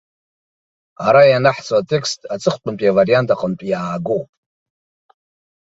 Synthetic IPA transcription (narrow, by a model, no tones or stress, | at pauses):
aɾajanaħt͡sʰʼwatʰʼe̞kʰstʼat͡sʼɨχʷt͡pʼʊmpʼijavaɾijantʰʼaqʼəntʷʼjaːɡowpʼ